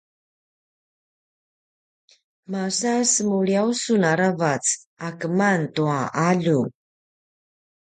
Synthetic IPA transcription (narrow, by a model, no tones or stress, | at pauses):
masasəmuɭiausunaɾavat͡s | akəmantuaʔaʎu